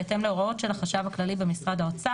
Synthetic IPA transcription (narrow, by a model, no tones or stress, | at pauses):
t̪e̞mleo̞ʁao̞tʃe̞laχaʃavaklalibemisʁad̪aot͡sa